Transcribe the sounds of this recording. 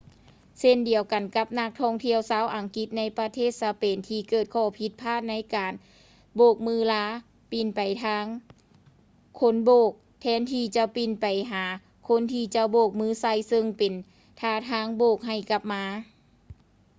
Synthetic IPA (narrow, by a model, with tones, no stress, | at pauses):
se˧˨ndi˨əwka˨˩nka˧˥p̚na˧˥k̚t̪ʰɔ˧˩ŋt̪ʰi˧˨əwsaː˧˥˨wʔa˨˩ŋki˧˥t̪̚na˧˥jpa˧t̪ʰeː˥˨˩t̪̚saː˧˦peː˨˩nt̪ʰiː˧kɤː˧˩t̪̚kʰɔː˧˩pʰi˧˦t̪̚pʰaː˥˩t̪̚na˧˥jkaː˨n | boː˧˩k̚mɯː˧˥˩laː˧˥ | pi˨˩npa˨˩jt̪ʰaː˧˥ŋ | kʰo˧˥˨nboː˧˩k̚ | t̪ʰɛː˧˥nt̪ʰiː˧t͡ɕa˧˦pi˧˩npa˨˩jɦaː˨˦ | kʰo˧˥˨nt̪ʰiː˧˩t͡ɕa˧boː˧˩k̚mɯː˧˥˨sa˧˩˨jsɤ˧ŋpe˨n | t̪ʰaː˧˩t̪ʰaː˧˥˨ŋboː˧˩k̚ɦa˧˩jka˧˥p̚maː˧˥